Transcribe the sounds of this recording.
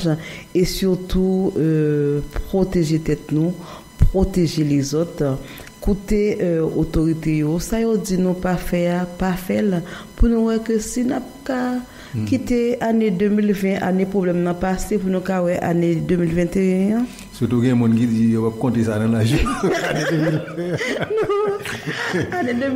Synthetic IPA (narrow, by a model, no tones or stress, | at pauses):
ʒesyʁt̪uøpʁot̪eʒet̪ɛt̪nũ | pʁot̪eʒelɛzot̪ | kut̪eøot̪oʁit̪ejosajod͡zinũpafɛapafɛlpunũwɛkøsinap̚ka | kit̪eaned̪ømilvɛ̃ʔa̰nepχoblɛmnãpasepunũkawɛʔaned̪ømilvɛ̃t̪eɛ̃a | syt̬uɡɛ̃mũnkid͡zijopab̚kɔ̃tesanãlaʒianed̪ømilvɛnu | anedø